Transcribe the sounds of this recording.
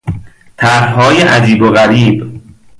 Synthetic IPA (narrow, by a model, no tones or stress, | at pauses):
t̪ʰæɾɦɒːjeʔæd͡ʒiːboɣæɾiːb